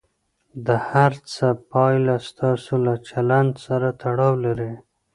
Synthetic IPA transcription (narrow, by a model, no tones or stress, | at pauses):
d̪əhaɾt͡səpɑjlast̪ɑsolat͡ʃaland̪saɾat̪aɽɑwlaɾi